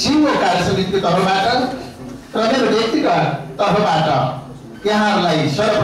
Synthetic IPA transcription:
siwokaɾjʌsʌit̪ikot̪ʌpʰʌbaʈʌ | prʌmeɾobjʌk̚t̪ikat̪ʌpʰʌbaʈʌ | jʌɦãɾulajsʌɾʌp

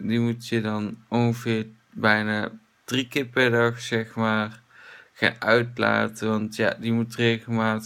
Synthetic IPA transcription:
dimutjədɑnɔnxəvɪːɹ | bɛjnaː | d̥rikɪːɹpɛɹdɑxsɛxmaːr | xa̰ʔœɥtla̰ːtəʋɑntja̰ːdimutreːɣəlmaːt

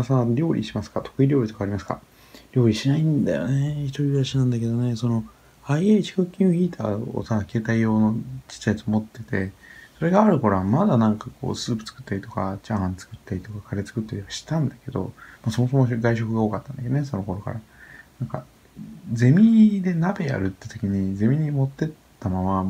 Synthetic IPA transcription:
asaɾʲo̞ːɾʲʔḭɕimasɨ̥kat̪o̞̥kɯ̟iɾʲo̞ːɾʲit̪o̞kaːɾʲimasɨ̥ka̰ | ɾʲo̞ːɾʲiɕinaĩnd̪a̰jo̞̰neçit̪oɾʲiɾaɕinãnd̪ake̞d̪o̞ne̞so̞no̞ | aieit͡ɕi̥kokʲːĩoçʲiːt̪ʰa̰ːo̰sake̞ːt̪aijo̞ːnot͡ɕi̥t͡ɕːajat͡sɨomo̞t̪ːe̞t̪e̞so̞ɾe̞ɡaːɾɯ̟ko̞ɾãmad̪anãŋkako̞̰ːsɨːpɯ̟̥t͡sɨ̥kɯ̟̥t̪ːaɾʲit̪o̞kat͡ɕãnt͡sɨ̥kɯ̟t̪ːaɾʲit̪o̞kakʰaɾe̞t͡sɨ̥kɯ̟t̪ːaɾʲiβaɕi̥t̪ãnd̪ake̞d̪o̞̰maso̞moso̞moɡaiɕo̞kɯ̟ɡaoːkat̪ːãnd̪akeoneso̞no̞ko̞ɾo̞ka̰ɾanãŋka̰ | d͡ze̞mʲid̪e̞nabe̞ja̰ɾɯ̟t̪ːet̪o̞kʲiɲ̟id͡ze̞mʲiɲ̟imo̞t̪ːe̞t̪ːamama

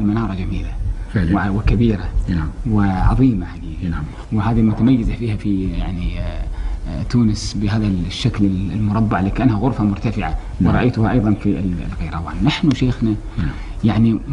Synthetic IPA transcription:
lmanɑːɾˤɑd͡ʒamiːla | wɪkabiːɾawɪʕɑ̰ðˤiːmajani | wɪɦaːðilmʊt̪amajːɪzafiːhafija̰ʕni | t̪uːnɪsbɪɦaːðaʃːaklɪlmʊɾˤɑbːaʕliːkaʔanhaɣʊɾˤfamʊɾt̪afɪʕa | wɪɾˤɑʔajt̪ʊhaʔɑjðˤɑnfḭl̰lɣajɾˤɑwa̰ːnːaħnuʃeːxna | jaʕni

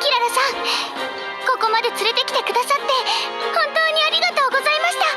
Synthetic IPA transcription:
kʲiɾaɾasãŋ̃ | ko̞ko̞mad̪e̞t͡sɨɾe̞t̪e̞kʲi̥t̪e̞kɯ̟d̪asat̪ːe̞hõ̞nt̪o̞ːɲ̟iaɾʲiɡat̪o̞ːɡo̞zaimaɕi̥t̪a

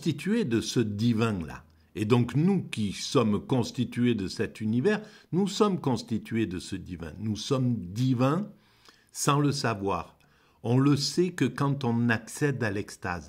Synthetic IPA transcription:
st̪it̪ɥed̪əsəd̪ivɛ̃la̰ | ed̪ɔ̃knukʲisɔmkɔ̃st̪it̪ɥed̪əsɛt̪ynivɛʁnusɔmkɔ̃st̪it̪ɥed̪əsəd̪ivɛ̰̃nusɔmd̪ivɛ̃ | sɑ̃ləsavwa̰ːʁ | ɔ̃ləsɛkəkɑ̃t̪ɔ̃naksɛd̪alɛkst̪a̰z

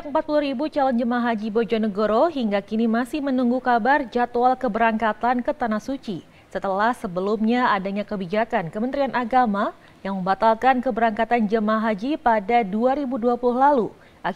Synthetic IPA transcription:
kəmpat̪̚puluɾibut͡ʃalɔnd͡ʒəmaɦad͡ʒibod͡ʒɔnəɡoɾoɦiŋɡakinimasɪhmənuŋɡukabard͡ʒat̪oalkəbəɾaŋkat̪ankət̪anahsut͡ʃi | sət̪əlahsəbəlumɲaadaɲakəbid͡ʒakankəmənt̪ɾianʔaɡama | jaŋməmbat̪alkankəbəɾaŋkat̪and͡ʒəmaɦad͡ʒipadaduaɾibuduapuluhlalu | ʔa

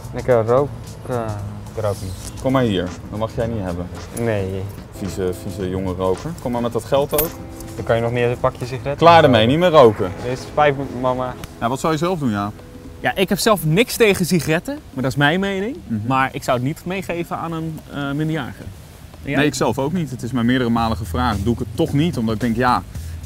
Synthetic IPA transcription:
nɛkərowk | rowknikɔmːaɹɦiːɹdɔnmɑχjɛjnitɦɛbən | nej | fisəfisəjʊŋərowkəɹkɔmaɹmɛtdɑtχɛlˠtowk | dkɑnjənɔχmɪːɹpɑkjəsixɾɛklaːɹdəmɛjnimɪːrowkəɪsfɛjfmɑmajaːʋɔtsawjəzɛlˠfdunjaː | jaːʔɪkɦɛpsɛlˠfnɪkstejχəsiχarɛtəmaːɹdɔtɪsmɛjnmejnɪŋmaːɹʔɪksowətnitmejχejvəa̰ːnənmɪndia̰ːχə̰ | nejɪksɛlˠfowknitətɪsmɛnmɪːɹdərəmaːləχəfraːχduɪkətːɔχnitɔmdɑtɪɡ̚dɛŋkjaː

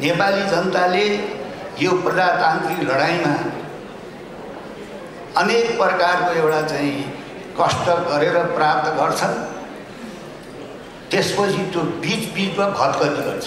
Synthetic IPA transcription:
nepalid͡zʌnʌt̪ale | joprʌd͡zat̪ant̪iklʌɽaj̃ma | ʌnek̚prʌkarkoewʈat͡saĩ | kʌsʈʌɡʌɾeɾʌprap̚t̪ʌɡʌrt͡sʰʌn | t̪espʌt͡sʰit̪jobit͡sbid͡zbʌɡʱʌt̪ɡʌt̪iɡʌ̰rt͡sʰʌ̥

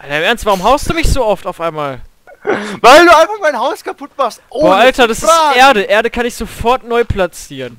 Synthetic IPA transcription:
ʔaɪnaɪmɛɐnstv̥aʁʊmɦaʊstd̥uːmɪçz̥oːʔɔftaʊfʔaɪnmaːl | vaɪlduːaɪnfaχmaɪnɦaʊskapʊtmastʔoːoːaltɐdasɪʔeːɐdəʔeːɐɾəkʰanɪçz̥ofɔɐtnɔʏpʰlat͡siːʁən

